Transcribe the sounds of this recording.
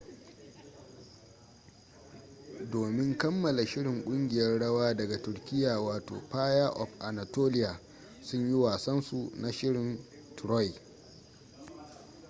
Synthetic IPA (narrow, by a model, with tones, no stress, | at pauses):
doː˨mɪ˦ŋkɐ˦mːɐ˨la˨ʃɪ˦ɽɪ˨ŋkʷʼʊ˦ŋɡʲɪ˨jɐ˦rɽɐ˦waː˦dɐ˨ɡa˨tʊ˨ɾkʲɪ˦jaː˨waː˨to̰ː˨ɸaː˦jaː˦ʔɔ̰˨ɸʔa˨na˨toː˦lɪ˦jaː˨ | sʊ˦ɲji˦waː˨sɐ˦nsu˨na˨ʃɪ˦ɽɪ˨n | tɾɔ˦j